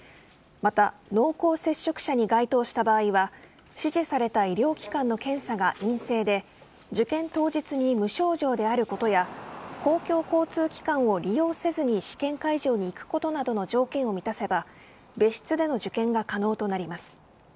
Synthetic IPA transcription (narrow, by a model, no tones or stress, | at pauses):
mat̪ano̞ːko̞ːse̞ɕːo̞kɯ̟̥ɕaɲ̟iɡait̪o̞ːɕi̥t̪abaːiβa | ɕiʑisaɾe̞t̪aiɾʲjo̞ːkʲi̥kãnːo̞kẽ̞ɰ̃saɡaʔĩɰ̃se̞ːd̪e̞ | d͡ʑɨkẽ̞nt̪o̞ːʑit͡sɨɲ̟imɯ̟ɕo̞ːʑo̞ːd̪e̞aɾɯ̟ko̞t̪o̞jako̞ːkʲo̞ːko̞ːt͡sɨːkʲi̥kãɰ̃o̞ɾʲijo̞ːse̞zɨɲ̟iɕi̥kẽ̞ŋkaiʑo̞ːɲ̟iːkɯ̟̥ko̞t̪o̞nad̪o̞no̞d͡ʑo̞ːkẽ̞ɰ̃o̞mʲit̪ase̞ba | be̞ɕi̥t͡sɨd̪e̞no̞ʑɨkẽ̞ŋɡakano̞ːt̪o̞naɾʲimasɨ̥